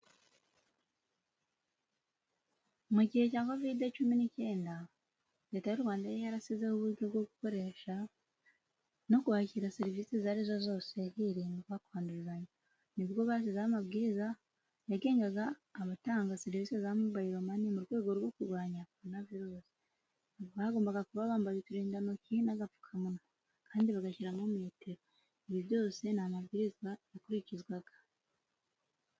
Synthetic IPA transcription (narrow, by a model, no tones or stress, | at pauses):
muɟihe̞caːko̞videt͡ʃuminice̞ːnda | ɾe̞ːtajuɾwaːndajejaɾasize̞huβuɡoβɡo̞ɡuko̞ɾe̞ʃa | no̞kuβaciɾaseɾivisezaɾizo̞zo̞ːse̞hiɾiːŋwakaːnduɾizaɲa | niβjo̞βaːsizamaβɡiːɾiza | jaɡe̞ːŋɡaɡaːβataːŋɡaseɾiviːsezamuβajiɾomanimuɾɡwe̞ːɡo̞ɾwo̞kuɾɡwaːɲaknaviɾoːsi̥ | βahaɡo̞ːmbaɡakuβaβaːmbazetuɾiːndanocinaɡafu̥kʰamuno | kʰaːndiβaɡaʃiɾamomeːteɾo | iβiβjo̞ːse̞namaβɡiɾizɡwajakuɾicizɡwaɡḁ